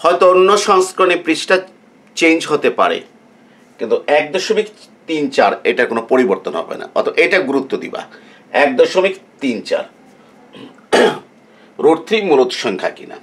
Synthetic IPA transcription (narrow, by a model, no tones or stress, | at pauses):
hɔet̪oonːoʃɔŋskɾonepɾit͡ɕʈa | t͡ɕend͡ʑɦot̪epa̰ɾḛ | kint̪uɛk̚d̪ɔʃomik | t̪int͡ɕaɾḛʈaɾkonopoɾiboɾt̪onɦɔ̰bḛna̰ɔ̰t̪ʰoʔejʈaɡuɾut̪ːod̪ḭba̰ | ɛk̚d̪ɔʃomikt̪int͡ɕa̰ɾ | ɾoɾt̪ʰɾimulot̪ʃɔŋkʰa̰kina̰